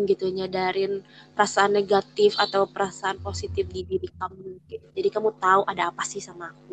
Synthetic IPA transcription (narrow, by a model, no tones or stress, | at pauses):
ɡit̪uɲadaɾɪnpəɾasaːnːeɡat̪ɪfat̪awpəɾasaanposit̪ɪfdibiɾikamukɛtd͡ʒadikamut̪auʔadaːpasɪhsamaːk̚u